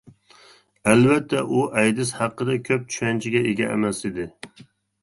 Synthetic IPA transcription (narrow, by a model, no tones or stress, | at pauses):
ælvɛt̪ʰːɛʔuʔɛjd̪ɪshɑqːəd̪ɛkʲʰøp̚t͡ʃʰy̥ʃɛnt͡ʃʰiɡʲɛeɡʲɛʔɛ̰mɛsid̪ɪ